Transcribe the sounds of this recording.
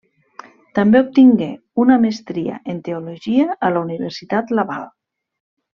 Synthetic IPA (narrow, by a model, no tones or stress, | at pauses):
t̪ambeup̚t̪iŋɡe | unamest̪ɾia̰ʔent̪eoloʒiaːlauniβeɾsit̪at̪laβa̰lˠ